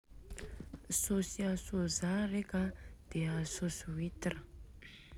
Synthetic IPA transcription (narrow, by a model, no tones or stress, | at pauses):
sosiasozarekəd̪̥eəsosuit̪irə̥